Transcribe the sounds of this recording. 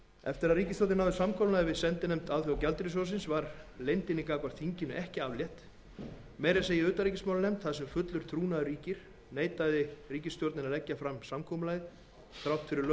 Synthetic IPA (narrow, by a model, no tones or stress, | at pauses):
ɛ̰ft̪ɪɾaðriːcɪst̪owt̪ɪnawðʏsamkʰɔwlnaɛvɪðsɛnt̪ɪnejmt̪awθɔawcalt̪ɾɪs̬ɔs̬ɪnsvaɾlejnt̪ɪnːɪkaːkvaɾ̥θiɲcɪnʏʔɛhcɪavljɛht̪ | meːjɾaseːjɪʏːt̪aɾicɪsmawlɪnejmt̪θaðsɛmfʏt̪lʏɾ̥t̪ʰɾuːnaðʏɾiːcɪɾ̥ | neːjt̪aðɪriːcɪst̪jowɾt̪nɪnaðlɛcːafɾamsamkʰɔmʏlaːjð | θɾawht̪fɪɾɪɾl